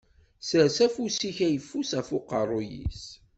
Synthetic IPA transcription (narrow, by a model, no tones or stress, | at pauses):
səsæfusiçæjəfːusæfʊqə̰rˤːʊjḭs